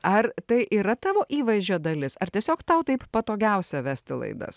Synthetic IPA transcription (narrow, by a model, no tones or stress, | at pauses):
ɐrt̪ɐɪʔiːɾɐt̪ɑːʋoːʔiːʋɐɪzʲd͡ʒʲoːd̪ɐlʲɪsɐrt̪ʲiɛsʲoːkt̪ɐʊt̪ɐɪppɐt̪oːɡʲɛʊsʲɛʋʲæsʲt̪ʲɪlˠɐ̰ɪd̪ɐ̰s